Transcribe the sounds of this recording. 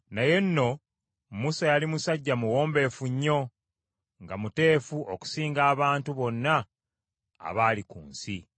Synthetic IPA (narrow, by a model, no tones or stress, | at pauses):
naje̞nːo̞ | musajalimusaɟːamuwo̞ːmbe̞ːfuɲːo̞ | ŋɡamute̞ːfuʔoku̥siːŋɡaːβaːntuβo̞nːa̰ː | βaːlikṵːnsi